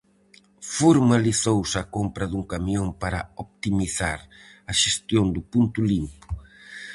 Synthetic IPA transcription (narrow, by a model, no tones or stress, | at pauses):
fuɾmaliθowsɐkompɾɐðuŋkamioŋpaɾɐ̰op̚t̪imiθa̰ɾ | ɐʃest̪jond̪ʊpunt̪ʊlimpʊ̥